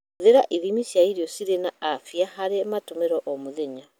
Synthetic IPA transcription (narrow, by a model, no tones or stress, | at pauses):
ðeɾaʔiðimisjaiɾiɔsiɾenaːfiahaɾematomeɾɔʔɔmoðeɲa